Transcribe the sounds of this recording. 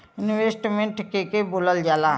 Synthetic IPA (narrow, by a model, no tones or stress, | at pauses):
ɪnweːsʈmẽʈkekeboːləld͡ʒaːlaː